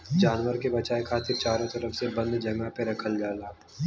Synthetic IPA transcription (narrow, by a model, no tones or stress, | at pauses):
d͡ʒaːnwəɾkebɐt͡ʃaːekʰaːt̪ɪɾt͡ʃaːɾõt̪ɐɾəfsebɐ̃nd̪d͡ʒɐ̃ŋɡãpeɾɐkʰəld͡ʒaːla